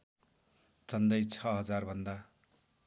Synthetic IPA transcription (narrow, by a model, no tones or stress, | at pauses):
t͡sʌnd̪ʌjt͡sʰʌɦʌd͡zarbʱʌnd̪a